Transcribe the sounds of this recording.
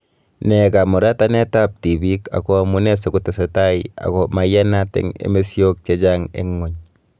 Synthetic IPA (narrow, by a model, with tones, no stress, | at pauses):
nɛ˨ka˨mɔ˨ɾa˦ta˦nɛ˦ta˦p̚ti˨bi˦ka̰˨kɔ˦a˨mu˦nɛ˦so˨ku˦te˨so˨ta˦ia̰˨kɔ˨ma˨ja˦natɛ̰˦ŋḛ˦me˦sjo˦k̚t͡ʃe˦d͡ʒaŋḛ˦ŋːo˨ɲ